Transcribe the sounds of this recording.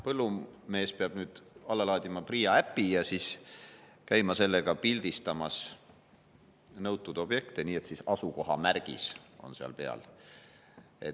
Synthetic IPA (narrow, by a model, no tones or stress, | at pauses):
pɤlːume̞ːspeɑb̥nyːd̪̥ɑlːelɑːd̪ʲimɑpriːjɑæpːijɑsis | kæjmɑse̞lːeɡ̥ɑpilʲd̪̥ist̪ɑmɑs | nɤwt̪ːˑud̪̥o̞b̥je̞kt̪eniːe̞t̪sisɑsuko̞ɦɑ̰mærɡ̥iso̞̰nseɑ̰lpeɑ̰l | e̞̰t̪ː